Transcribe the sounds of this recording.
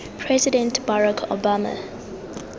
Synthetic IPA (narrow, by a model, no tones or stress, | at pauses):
pʰɹɛzidɛ̃ntb̥aɹakʰo̰bamə̰